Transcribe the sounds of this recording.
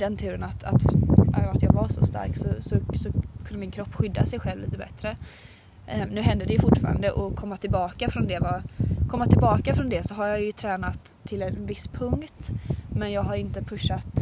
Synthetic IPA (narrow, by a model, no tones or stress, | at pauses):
d̪ɛnt̪ʰʉːɾənat̪ʰa̰t̪a̰jat̪jɑːɡvaʂɔ̰st̪a̰ɾksɔsɔsɔkʰɵnd̪əmɪnkʰɾɔpːɧʏd̪ːa̰sɛjɧɛlvliːt̪əbɛt̪ɾə | nʉ̟ːɦɛnd̪ədɛjɵfʊʈːfɑ̰ːɾa̰nd̪əʔɔkʰɔmːat̪ʰɪlbɑːkafɾɔnd̪ɛvakʰɔmːat̪ʰːɪlbɑːkafɾɔnd̪ɛsɔɦaɾjɑjɵt̪ʰɾɛːnat̪ʰːɪlɛnvɪspʰɵŋkt̪mɛnjɑːɡɦaɾɪnt̪əpʰɵʂːat̪